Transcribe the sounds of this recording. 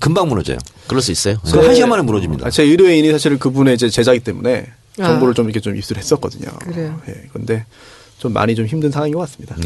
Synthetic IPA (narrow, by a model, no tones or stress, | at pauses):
kɯmbaŋmuɾʌd͡ʑḛjo̰kɯɾʌɭs͈uis͈ejoeaɕiamanɯnmuɾʌd͡ʑimɲḭdaat͡ɕeɯɾoe̞inisʰaɕʰiɾkɯbune̞id͡ʑe̞t͡ɕe̞d͡ʑaɡit͈e̞mṵne̞ | t͡ɕʌŋboɾɯɭt͡ɕomiɾkʰet͡ɕomḭps͈ɯɾhe̞s͈ʌt̚k͈ʌdɯɲo̰je̞̰kɯɾɯnde̞ | t͡ɕomːa̰ɲit͡ɕomçimdɯnsʰaŋwaŋiɡʌk͈as͈ɯ̥mɲida